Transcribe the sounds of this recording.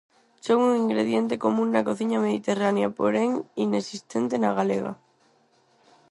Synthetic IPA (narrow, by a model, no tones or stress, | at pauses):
soŋuŋiŋɡɾeð̞je̞nt̪e̞ko̞mũnːako̞θiɲameð̞it̪e̞ranjapo̰ɾeŋinesist̪e̞nt̪enaɣaleɣa̰